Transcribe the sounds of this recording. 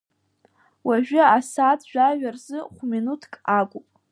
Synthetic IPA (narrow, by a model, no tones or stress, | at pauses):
waʒᶣɪasatʰʒᶣaʒᶣarzɨχʷminutʰkʼaɡʷʼʊpʼ